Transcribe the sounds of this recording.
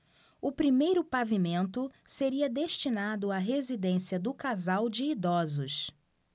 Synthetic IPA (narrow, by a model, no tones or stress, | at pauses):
ʊpɾimejɾʊpavimẽnt̪ʊseɾiɐd̪eʃt͡ʃinad̪ʊaɦezid̪ẽsiɐd̪ʊkazawd͡ʒɪːd̪ɔzʊʃ